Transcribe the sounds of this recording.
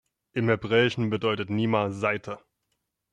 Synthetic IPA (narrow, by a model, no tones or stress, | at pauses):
ʔɪmhɛbʁɛːɪʃn̩bədɔʏtətniːmaz̥aɪtʰə